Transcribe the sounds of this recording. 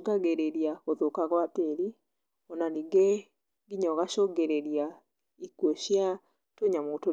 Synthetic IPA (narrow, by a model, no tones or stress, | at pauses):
ɡaɡeɾeɾjaoðokaɣwateɾi | ɔnaniɡe | ɡiɲɔɣaʃoɡeɾeɾja | ikwoʃja | toɲamoto